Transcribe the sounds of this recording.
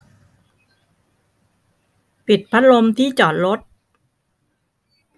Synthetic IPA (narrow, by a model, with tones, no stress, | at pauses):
pi˨˩t̪̚pʰa˦˥t̪̚lo˧mt̪ʰiː˥˩t͡ɕɔː˨˩t̪̚ɾo˦˥t̪̚